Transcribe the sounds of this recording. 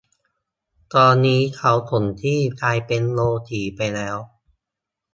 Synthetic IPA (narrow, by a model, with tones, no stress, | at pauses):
t̪ɔː˧nːiː˦˥kʰa˦˥wt̪ʰo˩˦nt̪ʰiː˥˩kaː˧jpe˧nloː˧t̪ʰiː˩˦pa˧jlɛː˦˥w